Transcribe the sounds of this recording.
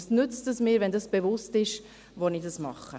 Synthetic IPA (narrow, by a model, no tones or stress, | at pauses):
snʏt͡stəsmɪːɾʋɛndɑsb̥evʊstɪʃ | ʋɔnidɑsmɑχːə̰